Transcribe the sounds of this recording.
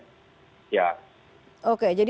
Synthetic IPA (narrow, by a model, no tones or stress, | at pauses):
ja | oked͡ʒadi